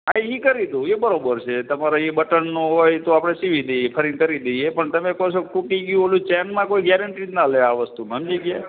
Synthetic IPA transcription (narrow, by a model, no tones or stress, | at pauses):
aiikəɾit̪ũebəɾobəɾt͡ʃʰet̪əmaɾoibəʈənːũɦojt̪oapɽ̃esiʋid̪ejepʰəɾinkəɾid̪əjepəɳt̪əmekosokʈuʈiɡjũolũt͡ʃɛnmãkoiɡjɛɾəɳʈinaləeaʋəst̪uməmd͡ʒiɡja